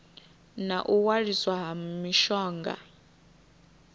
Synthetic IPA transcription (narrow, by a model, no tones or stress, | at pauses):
naʔuwaɺiswaɦamiʃɔːŋɡa̰